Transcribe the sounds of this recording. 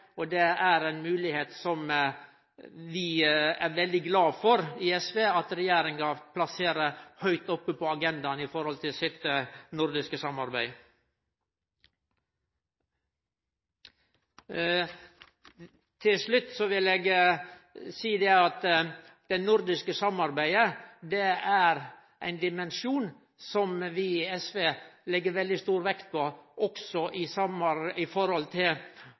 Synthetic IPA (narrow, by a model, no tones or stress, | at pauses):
ɔd̪ɛæɾɛɪnmʉːlɪheːt̪sɔm | ʋɪæɾʋɛld̪ɪɡlɑːfɔɾiɛsʋeːɑt̪ɾɛjeːɾɪŋɡɑpʰlɑseːɾəhœʏt̪ɔpːəpʰɔɑɡɛnd̪ɑnɪfɔɾhɔlt̪ʰɪlsɪt̪ənʊɾd̪ɪskəsɑmɑɾbæɪ | t̪ʰɪlʂɭʉt̪ːsɔʋɪleːɡ | siːd̪ɛɑt̪ | d̪̥ɛnʊɾd̪ɪskəsɑmɑɾbæɪəd̪ɛæɾ | ʔæ̰ɪnd̪ɪmɛnʃuːn | sɔmʋɪɛsʋeːlɛɡːəɾʋɛld̪ɪst̪uːɾʋɛkt̪̚pʰoʔɔksɔʔɪsɑmɑɾɪfɔɾhɔlt̪ʰɪ